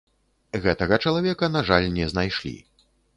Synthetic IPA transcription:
ɣɛt̪ɐɣɐt͡ʂɐlˠavʲɛkɐnaʐalʲnʲɛznajʂlʲḭ

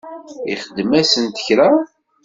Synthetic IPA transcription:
ḭχəd̪ːmæsənt̪ə̥çɾa

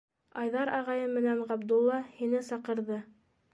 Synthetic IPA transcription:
ɑjðɑɾɑʁɑjɤmːɘ̆nænʁɑbd̪ulˠːɑhinɘsɑqɤ̆ɾðɤ

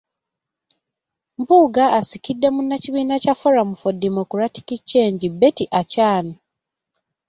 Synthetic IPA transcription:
mbuːɡaːsikidːe̞munːaciβiːnacafoɾamufodimokuɾati̥kit͡ʃːe̞ːɲɟibe̞tiʔacaːno

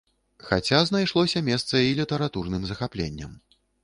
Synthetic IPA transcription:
xa̰t͡sʲazn̪ajʂlˠɔsʲɐmʲɛst̪sɐilʲit̪ɛɾat̪urnɨmzɐxaplʲḛnʲːɐ̰m

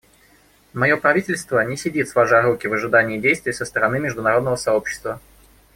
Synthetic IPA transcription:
mɐjo̞pɾɐvʲitʲɪlʲst̪vənʲɪsʲɪdʲit̪svaʐɨɐɾukʲɪvəʐɨd̪anʲɪːdʲejst̪vʲɪjsəst̪əɾɐnɨmʲɪʐd̪ʊnɐɾo̞d̪nəvəsɐo̞pɕːɪ̥st̪və

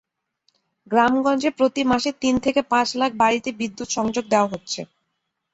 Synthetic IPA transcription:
ɡɾamɡɔnd͡ʑepɾot̪imaʃet̪int̪ʰekepãt͡ɕlak̚ʰbaɾit̪ebid̪ːut̪ʃɔŋd͡ʑoɡ̚d̪eoaɦotːɕʰḛ

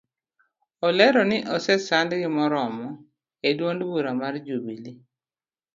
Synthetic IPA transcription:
ɔlɛɾɔnɪʔɔsɛsandɡɪmɔɾɔmɔ | edwondbuɾamard͡ʒubili

